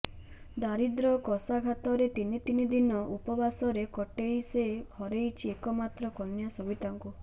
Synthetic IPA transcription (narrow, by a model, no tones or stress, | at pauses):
d̪aɾid̪ɾɔkɔsaɡʱat̪ɔɾet̪init̪inid̪inɔʔupɔbasɔɾekɔʈejsebʱɔɾejt͡ʃʰiekɔmat̪ɾɔkɔnjasɔbit̪aŋku